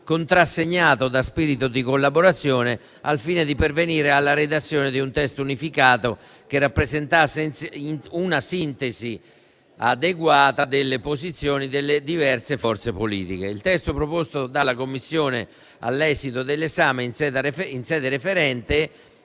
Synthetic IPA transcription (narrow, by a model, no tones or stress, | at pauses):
kont̪ɾasːeɲːaːt̪od̪aspiːɾit̪̬od̪ikolːaboɾat̪sːjɔːne | alfiːned̪iperveniːɾealːaɾed̪at̪sːjɔːned̪iunt̪ɛst̪unifikaːt̪o | k̟erːapːɾezent̪asɛnnunasint̪ezi | a̰d̪eɡwaːt̪ad̪elːepozit̪sːjoːnid̪elːed̪ivɛrtsefɔrt̪sepolḭːt̪ik̟ḛilt̪ɛst̪opɾopost̪od̪alːakomːisːjɔːne | a̰lːɛːzit̪od̪elːezaːmensɛd̪afinsɛːd̪eɾefeɾɛnt̪ɪ